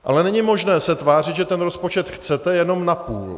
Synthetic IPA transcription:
ʔa̰lɛnɛɲɪmo̞ʒnɛːsɛt̪vaːr̝ɪt̪ʒɛt̪ɛnɾo̞spo̞t͡ʃɛt̪xt͡sɛt̪ɛjɛno̞mnapuːl

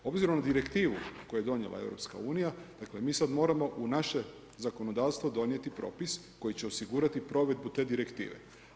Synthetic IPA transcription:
o̞bziɾo̞mnad̪iɾe̞kt̪iːʋṵko̞juje̞d̪o̞njḛlˠʔa̰e̞̰ʋɾo̞̰pska̰uːnijad̪̥akle̞miːsad̪mo̞ːɾamo̞ʔunaʃe̞ | zako̞no̞d̪aːʋst̪vʋo̞d̪o̞nje̞t̪ipɾo̞̰ːpis | ko̞jit͡ɕe̞osiɡuɾat̪ipɾo̞ʋe̞d̪̚but̪e̞ːd̪iɾe̞kt̪ḭːʋe̞̰

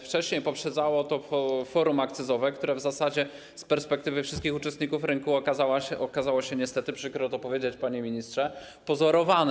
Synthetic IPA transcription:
ft͡ʂɛɕɲejpɔpʂɛd̪zawɔt̪ɔɔfɔɾumakt̪sɘzɔvɛkt̪uɾɛvzasad͡ʑɛ | spɛɾspɛk̚t̪ɘvɘfʂɘst̪kʲixut͡ʂɛst̪̚ɲikufɾɘŋkuaawaɛʔɔkazawɔɕɛɲɛst̪ɛt̪ɘpʂɘkɾɔt̪ɔpɔvʲjed͡ʑet͡ɕpaɲɛmʲiɲistʂɛ | pɔzɔɾɔvanɛ

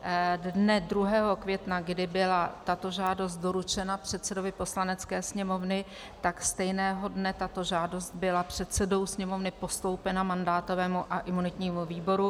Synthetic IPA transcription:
dnɛdɾuɦɛːɦo̞kvjɛt̪naɡdɪbɪlat̪at̪o̞ʒaːdo̞st̪̚do̞ɾut͡ʃɛnapr̝̥ɛt̪t͡sɛdo̞vɪpo̞slanɛt͡skɛːsɲɛmo̞vnɪ | t̪akst̪ɛjnɛːɦo̞dnɛt̪at̪o̞ʒaːdo̞st̪̚bɪlapr̝̥ɛt̪sɛdo̞wsɲɛmo̞vnɪpo̞st̪o̞wpɛnamandaːt̪o̞vɛːmuʔaʔɪmunɪt̪ɲiːmuviːbo̞ɾu

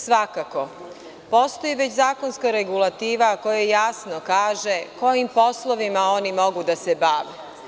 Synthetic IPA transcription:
sʋakako̞ | po̞st̪o̞jiʋe̞t͡ɕzaːko̞nskaɾeɡulˠat̪iːʋako̞jejasno̞kaːʒeko̞jimpo̞slˠo̞ʋimao̞nimo̞ɡud̪asebaːʋe

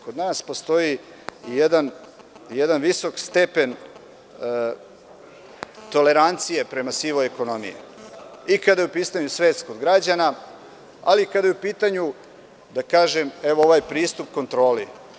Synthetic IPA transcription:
ko̞d̪naːspo̞st̪o̞jiː | jed̪an | jed̪anʋiso̞kst̪e̞pe̞n | t̪o̞le̞ɾant̪sije̞pɾe̞masiʋojeko̞no̞mḭjḭikad̪ajupiːst̪aɲusʋeːt̪skod̪ɡɾad͡ʑana | a̰likad̪ajupiːt̪aɲu | d̪akaːʒeme̞ʋoo̞ʋaːjpɾiːst̪upko̞nt̪ɾo̞ːli

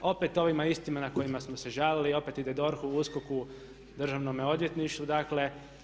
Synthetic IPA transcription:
o̞pet̪o̞ʋimaist̪imanako̞jimasmose̞ʒaːlilio̞pet̪id̪e̞d̪o̞ɾxuuskoku | d̪r̩ʒaʋnomeo̞d̪ʋje̞t̪niʃt̪ud̪akle̞

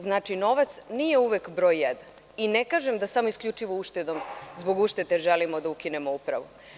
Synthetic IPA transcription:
znaːt͡ʃino̞ʋat̪snije̞uʋekbɾo̞ːjːed̪an | inekaːʒemd̪asamoiskʎʲut͡ʂiʋouʃt̪ed̪o̞mzboɡuʃt̪et̪e̞ʒelimo̞d̪aukinemoupɾa̰ʋu

